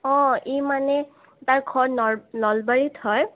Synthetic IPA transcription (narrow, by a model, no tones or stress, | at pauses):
ɔ̃ijmanɛ | taɹɡʰʱɔnɔnɔlbaɹitʰhɔj